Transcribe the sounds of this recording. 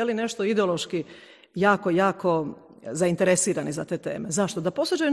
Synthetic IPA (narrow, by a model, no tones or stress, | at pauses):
eline̞ʃt̪oid̪eolˠo̞ʃki | jaːko̞jaːko̞ | zaint̪eɾesiːɾanizat̪e̞ːt̪e̞̰ːmezaʃt̪od̪apo̞sod͡ʑaju